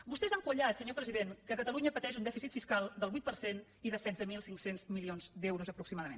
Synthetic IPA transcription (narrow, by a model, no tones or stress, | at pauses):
bust̪ɛzaŋkuʎat̪səɲopɾəziðenkəkət̪əluɲəpət̪ɛʒund̪ɛfisit̪fiskalˠd̪əlˠβujt̪̚pəɾsen | iðəsɛdzəmilˠsiŋksenzmilionzd̪ɛwɾuzəpɾuksimaðəmḛn